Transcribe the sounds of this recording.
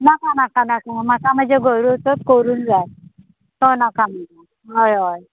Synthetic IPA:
nakanakanakamakam̤əd͡ʑeɡʱoɾuot̪ot̪koɾuːnd͡za | t̪onakam̤əd͡za | ɦojɦoj

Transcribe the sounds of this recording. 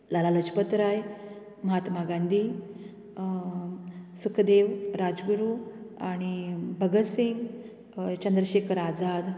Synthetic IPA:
lalaləd͡ʒpət̪ɾaj | məɦat̪maɡand̪ʱi | sukʰd̪eʋɾad͡zɡuɾuaɽ̃ibʱəɡət̪siŋɡ | t͡ɕənd̪ɾəɕekɾad͡zad̪

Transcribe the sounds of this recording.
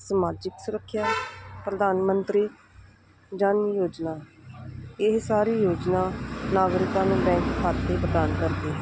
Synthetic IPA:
səmaːd͡ʒɪksʊɾəkʰːjaːpɾəd̪aːnmənt̪ɾiː | d͡ʒənjoːd͡ʒnaː | ɪɦsaːɾiːjoːd͡ʒnaːnaːɡɾɪkãːnũːbɛ̃ːŋkkʰaːt̪ːeːpɾəd̪aːnkəɾd̪eːɦɛ

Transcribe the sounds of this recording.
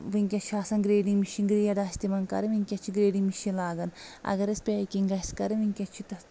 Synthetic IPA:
ʋiŋʲkʲɐt͡ʃʰaːsɐnɡɾeːɖimiʃiŋɡɾijɐd̪aːsʲt̪imɐnkɐ̰ɾɨʋiŋʲkʲɐt͡ʃʰiɡɾeːɖimiʃilaːɡɐnɐ̰ɡɐɾɐspʲeːkiŋɡɐskɐɾiʋiŋkʲɐt͡ʃʰit̪ɐ

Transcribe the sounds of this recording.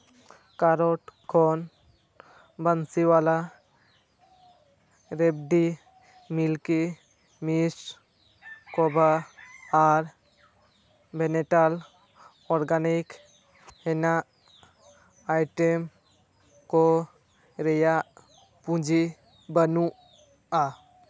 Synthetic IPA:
kaɾoʈkʰɔn | bənsiwala | ɾeb̚ɖi | milki | mis | kobʱaaɾ | beneʈal | ɔɾɡanik | ɦena | ɪʈem | ko | ɾeja | pũd͡ʒʱi | bənu | a

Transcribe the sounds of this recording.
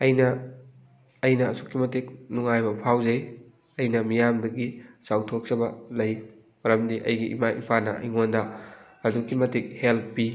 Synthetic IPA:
ɐjnɐ | jnɐːsʰukːimɐtek̚nuŋajbɐpʰawzɐj | ɐjnɐmijamdɐɡisawtʰok̚sɐbɐlɐj | mɐɾɐmdiʔɐ̰jɡiʔḭmaʔḭpʰanɐ̰ɐ̰jŋondɐ | ɐdukːimɐtek̚helpːi

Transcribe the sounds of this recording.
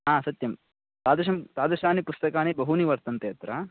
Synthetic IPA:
ɦaːsɐt̪jɐm | t̪aːd̪ɐʃ̬ɐmt̪aːd̪ɐʃaːnipust̪ɐkaːnibɐɦuniʋɐɾt̪ɐnt̪eɐt̪ɾɐ

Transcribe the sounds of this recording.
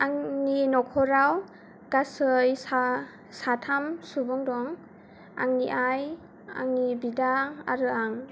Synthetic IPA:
aŋninɔkʰɔɾaw | ɡasɯjsa | satʰamsubɔŋdɔŋ | a̰ŋniʔaj | a̰ŋnibidaa̰ɾɯaŋ

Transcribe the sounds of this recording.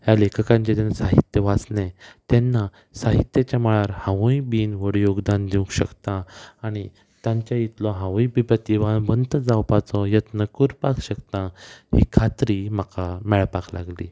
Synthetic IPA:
ɦjalekʰkãɲt͡ɕet̪enasaɦit̪jəʋat͡snẽt̪ɛnːa | saɦit̪jət͡ɕjaməɭaɾhãʋũjbiːnʋəɽjoɡd̪and̪iũkɕə̰kt̪ãːɽ̃i | t̪ãɲt͡ɕjait̪lɔɦãʋujbibət̪iʋanbənt̪əd͡zawpat͡sɔjət̪nəkuɾpakɕəkt̪ãhḭkʰat̪ɾiməkamɛɭpakla̰ɡlḭː

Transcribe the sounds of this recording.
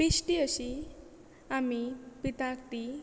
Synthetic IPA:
pisʈiəɕi | amipit̪akt̪i

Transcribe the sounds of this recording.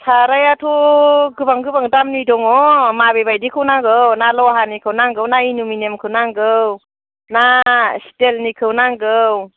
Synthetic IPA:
sʰaɾajatʰuɡɯbaŋɡɯbaŋdamnidɔŋɔmabebajdikʰɯwnaŋɡɯwnalɔɦanikʰɯwnaŋɡɯwnainuminemkʰɯwnaŋɡɯw | nasi̥telnikʰɯwnaŋɡɯw

